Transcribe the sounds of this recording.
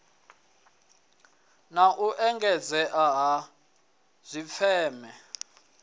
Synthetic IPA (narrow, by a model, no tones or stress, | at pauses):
naʔuʔɛŋɡɛd͡zɛʔaɦa | z̥ʷifɛːmɛ